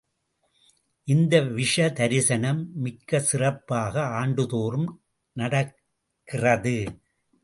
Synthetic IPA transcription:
ʔɪnd̪ɐʋɪʂɐd̪ɐɾɪsɐnɐmːɪkːɐsɪrɐpːaːɣɐaːɳɖɯðoːrɯm | nɐɽɐkː | ɪrɐðɯ

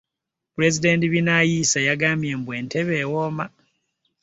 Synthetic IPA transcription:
puɾe̞zide̞ntiβinajisajaɡaːmje̞mbwe̞ːnte̞βe̞ːwoːma

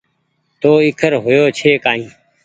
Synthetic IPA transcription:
t̪oːɪkʰəɾɦʊjoːt͡ʃʰeːkaːɦĩː

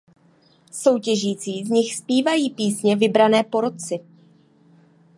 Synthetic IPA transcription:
so̞wcɛʒiːt͡siːzɲɪxspiːvajiːpiːsɲɛvɪbɾanɛːpo̞ɾo̞t͡sɪ

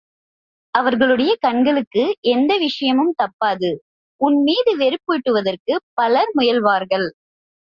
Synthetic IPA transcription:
ɐʋɐɾɣɐɭɯɽɐjɐkɐɳɡɐɭɯkːɯʔɛnd̪ɐʋɪʂɐjɐmɯmt̪ɐpːaːðɯ | ʊnmiːðɯʋɛɾɯpːoːʈːɯʋɐðɐrkɯpɐlɐɾmʊjɐlʋaːɾɣɐɭ

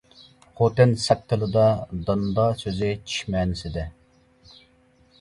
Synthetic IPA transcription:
χot̪ɪnsɑk̚t̪ːəlˠɨd̪ɑd̪ɑnd̪ɑsøzɪt͡ʃʰi̥ʃmɛːnɪsɪd̪ɛ

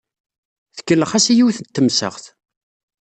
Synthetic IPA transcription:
θə̥kːəlːəχæsijiwθənt̪ːəmsə̰ʁθ

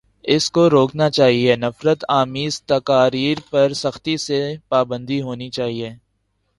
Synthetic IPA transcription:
ɪskoɾoːknat͡ʃaːɦienɐfɾət̪aːmiːzt̪ɐkaːɾiːɾpɐɾsɐxt̪isepaːbə̃nd̪iɦoːnit͡ʃaːɦieː

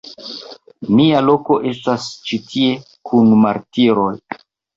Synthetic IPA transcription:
mialo̞ko̞ʔe̞stast͡ʃitʰie̞ | kʰunmaɾtiɾo̞j

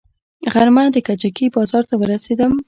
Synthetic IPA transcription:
ɣaɾmad̪əkat͡ʃakibɑzɑɾt̪awəɾased̪əm

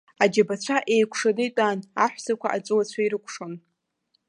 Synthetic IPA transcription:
ad͡ʒabat͡ɕʷʰaʔe̞jkʷʰʂanɨitʷʼaːnaħᶣʷsakʷʰaʔat͡sʷʼɨwat͡ɕʷʰaiɾɨkʷʰʼʂon

